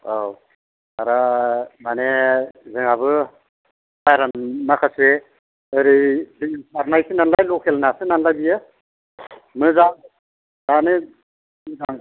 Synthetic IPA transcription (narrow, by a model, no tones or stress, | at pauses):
aw | aɾamanezɯŋaβɯ | bajɾanmakʰase | ɯɾidiŋbaɾnajsinanlajlɔkʰelnasɯnanlajbijɯ | mɯza | zanɯ | zaŋ